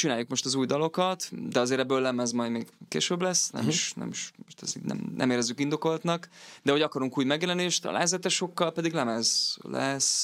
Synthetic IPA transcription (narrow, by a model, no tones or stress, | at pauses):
t͡ʃinaːjːukmo̞ʃt̪ɒzuːjd̪ɒlo̞kɒt̪d̪ɛɒzeːɾɛbːøːlːɛmɛzmɒjd̪meːɡkḛːʃøblɛsːnɛ̰miʃnɛ̰miʃmoʃt̪ɛ̰zḭɡnɛ̰mnɛ̰meːɾɛzykind̪o̞ko̞lt̪nɒkd̪ɛɦo̞ɟɒkɒɾuŋkuːjmɛɡjɛlɛneːʃt̪ɒ̰la̰ːzɛt̪ɛʃo̞kːɒlpɛd̪iɡlɛmɛzlɛs